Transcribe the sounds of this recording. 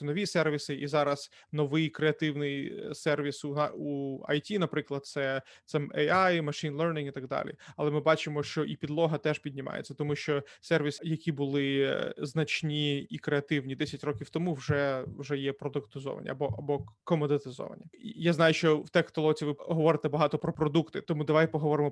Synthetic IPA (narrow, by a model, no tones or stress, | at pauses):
nɔʋʲisɛrʋʲisɪʔizɑɾɐz̥ | nɔʋɪjkɾeɐt̪ɪwnɪjsɛrʋʲisunɑuɐ̰jtʲinɐpɾɪklˠɐd̪̚t̪sɛ | t̪sɛmɛjɑjmɐʃinlˠɛrnʲiŋit̪ɐɡd̪ɑ̰lʲḭɐlˠɛmɪbɑt͡ʃɪmɔʃt͡ʃɔʔipʲid̪lˠɔɦɐt̪ɛʒpʲidʲnʲɪmɑ̰jḛtt͡sʲːɐt̪ɔmuʃt͡ʃɔsɛrʋʲisjɐkʲibʊlˠɪznɐt͡ʃnʲiikɾeɐt̪ɪwnʲid̪ɛsʲɐtʲrɔkʲiwt̪ɔmuwʒɛwʒɛjɛpɾɔd̪ʊkt̪ɪzɔ̰ʋɐ̰nʲɐ̰ɐbɔɐbɔkɔmɔd̪et̪ɪzɔ̰ʋɐ̰nʲɐjaznɑjʊʃt͡ʃɔwt̪ɛxt̪ɔlˠɔt͡sʲiʋɪɦɔʋɔɾɪt̪ɛbɐɦɑt̪ɔpɾɔpɾɔd̪ukt̪ɪt̪ɔmud̪ɐʋajpɔɦɔʋɔɾɪmɔ